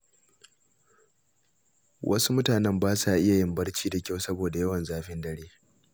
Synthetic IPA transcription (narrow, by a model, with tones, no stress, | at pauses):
wʔɐ̰˦su˦mʊ˦taː˨nɛ˦mbaː˦saː˨ʔɪ˦ja˨jɪ˨mbɐ˦rt͡ʃiː˦da˨kʲa˦˨wsɐ˦boː˨da˨jɐ˦wɐ˨nzaː˦ɸɪ˦ndɐ˦ɽeː˦